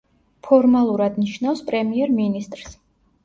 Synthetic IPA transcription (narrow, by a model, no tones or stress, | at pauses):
pʰɔɾmalˠuɾad̪niʃnafspʼɾɛmiɛɾminist̪ʼɾs